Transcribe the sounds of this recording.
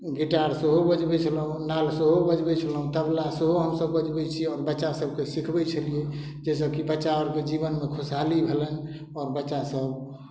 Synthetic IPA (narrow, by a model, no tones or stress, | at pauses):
ɡiʈaɾsəɦobəd͡ʒbɛt͡ʃʰələɦũnalsəɦobəd͡ʒbɛt͡ʃʰələɦũt̪əblasəɦoɦəmsəbːəd͡ʒbɛt͡ʃʰiɔːɾbətːʃasəb̚kesikʰbɛt͡ʃʰəlie | d͡ʒɛsəkibətːʃaɔɾked͡ʒiβənmekʰusalibʱelən | ɔɾbətːʃasəb